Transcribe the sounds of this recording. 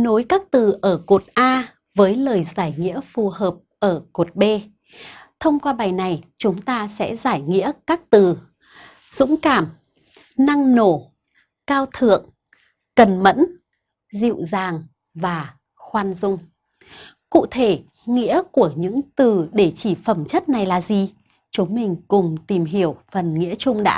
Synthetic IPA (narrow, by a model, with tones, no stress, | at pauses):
no˨˦jkaː˦˥k̚t̪ɨ˨˩ʔəː˧˩ko˨˩t̚ʔaː˧ | vəː˨˦jləː˨˩jzaː˧˩jŋḭ˧˥əfu˨˩həː˨˩p̚ʔəː˧˩ko˨˩t̚ɓe˧ | t̪ʰə˧wŋ͡mkwaː˧ɓa˨˩jna˨˩jt͡ɕʊ˨˦ŋ͡mt̪aː˧sɛ̰˧˥zaː˧˩jŋḭ˧˥əkaː˦˥k̚t̪ɨ˨˩ | zʊ̰˧˥ŋ͡mkaː˧˩m | na˧ŋno˧˩ | kaː˧wt̪ʰɨ̰˧˨əŋ | kə˨˩nmə̰˧˥n | zḭ˧˨wzaː˨˩ŋ | vaː˨˩ | xwaː˧nzʊ˧ŋ͡m | kṵ˧˨t̪ʰe˧˩ | ŋḭ˧˥əku˧˩əɲɨ̰˧˥ŋt̪ɨ˨˩ɗe˧˩t͡ɕi˧˩fə˧˩mt͡ɕə˦˥t̚na˨˩jlaː˨˩zi˨˩ | t͡ɕu˨˦mï˨˩ŋ̟kʊ˨˩ŋ͡mt̪i˨˩mɦi˧˩əwfə˨˩nŋḭ˧˥ət͡ɕʊ˧ŋ͡mɗa̰ː˧˥